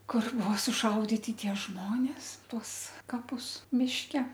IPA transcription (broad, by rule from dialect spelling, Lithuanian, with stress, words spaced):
ˈkʊr ˈbuɔ sʊˈʃɐʊdʲɪtʲɪ ˈtʲiɛ ˈʒmoːnʲeːs ˈtuɔs kɐˈpʊs mʲɪʃʲˈkʲɛ